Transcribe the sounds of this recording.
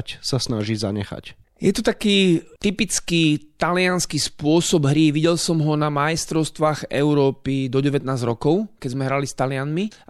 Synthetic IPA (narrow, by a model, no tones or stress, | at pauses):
csasnaʒiza̰ɲɛ̰xa̰c | jɛt̪ɔt̪akiːt̪ipit͡skit̪alɪanskispʊɔsɔbɦɾiʋiɟɛlsɔmɦɔnamajst̪ɾɔʊst̪ʋaːɣɛ̰ʊɾɔːpid̪ɔɟɛʋɛt̪̚naːzɾɔkɔʊkɛzmɛɦɾalist̪alɪanmi